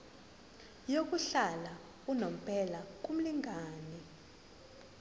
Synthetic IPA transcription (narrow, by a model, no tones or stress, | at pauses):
jok̬ʼuɬala | unom̩pʰʼɛlak̬um̩liŋʱaːnɛ